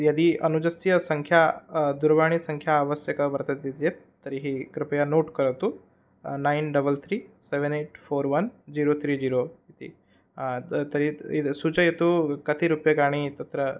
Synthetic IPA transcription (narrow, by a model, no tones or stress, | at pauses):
jɐd̪iʔɐnud͡ʒəsijəsəŋkʰjad̪uɾʋaɽ̃isəŋkʰjaːʋəsjəkəʋəɾt̪ət̪it̪jet̪ːəɾiɦikɾɪpəjanoʈkəɾəʋt̪u | nainɖəbəlt̪ʰɾiːseʋəneʈfoːɾʋɐnd͡ʑiːɾot̪ʰɾiːd͡ʑiɾoit̪ḭ | t̪əɾiisut͡ʃəjet̪ukət̪iɾupjəɡaɽ̃it̪ɐt̪ɾə